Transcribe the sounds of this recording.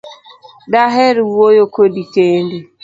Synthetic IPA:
daɦɛɾiwojokodikendi

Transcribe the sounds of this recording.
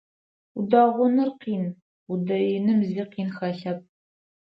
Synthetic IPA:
udɑːʁʷʊnɨrqiːn | udɐjɪnɨmziqiːnxɐɬɐp̚

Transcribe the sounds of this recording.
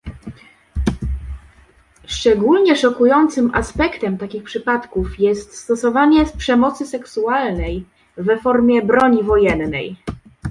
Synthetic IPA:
ʂt͡ʂɛɡulɲɛʂɔkujɔnt̪sɘmʔaspɛkt̪ɛmt̪akʲixpʂɘpat̪kufjɛst̪st̪ɔsɔvaɲɛspʂɛmɔt̪sɘsɛksualnɛj | vɛfɔɾmʲjɛbɾɔɲivɔjɛnːɛ̰j

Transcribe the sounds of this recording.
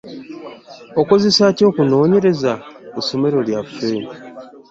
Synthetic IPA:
o̞ko̞ze̞saco̞ːkuno̞ːɲe̞ɾe̞zauso̞me̞ɾo̞ljafe̞ːmi

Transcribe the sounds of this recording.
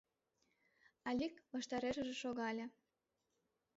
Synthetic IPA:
ɑlʲikβɑʃt̪ɑɾeʃə̆ʒĕʃoɣɑlʲĕ

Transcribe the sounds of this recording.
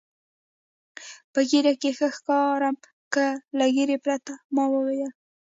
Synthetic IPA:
pəɡiɾakexəxkɑɾam | kəlaɡeɾepɾat̪amɑwəweja

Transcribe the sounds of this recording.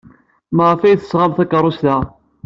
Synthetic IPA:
məʁəfæjθə̥sʁamθækːərˤːʊst̪æ

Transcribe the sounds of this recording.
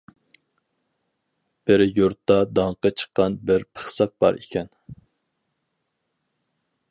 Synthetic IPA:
b̥ɪɾjuɾt̪ːɑd̪ɑŋqɑt͡ʃʰə̥qːɑnbɪɾpʰə̥χsɑq̚b̥ɑ̰ɾḭkʲʰɛn

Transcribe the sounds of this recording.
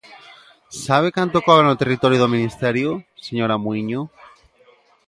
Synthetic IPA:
saβ̞ekant̪okoβɾanot̪erit̪oɾjoðomĩnist̪eɾjoseɲoɾamwiɲo

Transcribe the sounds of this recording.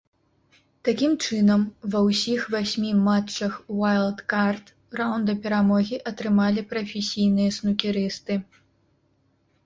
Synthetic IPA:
t̪akʲimt͡ʂɨnɐmvɐwsʲixvasʲmʲimat͡ʂːɐxwajlˠd̪kart̪ | rawnd̪ɐpʲɛɾamɔɣʲiʔɐt̪ɾɨmalʲipɾɐfʲesʲijnɨjɐsnukʲiɾɨst̪ɨ

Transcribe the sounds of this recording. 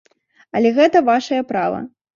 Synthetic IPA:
ɐlʲɛɣɛt̪ɐvaʂɐjɐpɾavɐ̰

